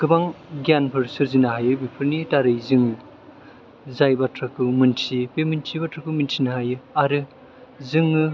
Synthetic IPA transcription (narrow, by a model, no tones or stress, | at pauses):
kɯbaŋɡjanpʰɯɾsɯɾzinaɦajɯbipʰɯɾnitaɾɯjzɯŋ | zajbatʰɾakɯmɯntʰipemintʰibatɾakɯmintʰinaɦajɯaɾɯ | zɯŋɯ